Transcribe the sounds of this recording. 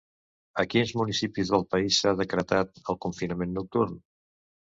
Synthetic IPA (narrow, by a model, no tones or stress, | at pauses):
əkinzmunisipizðəlˠpəisaðəkɾət̪at̪əlˠkuɱfinəmenːuk̚t̪urn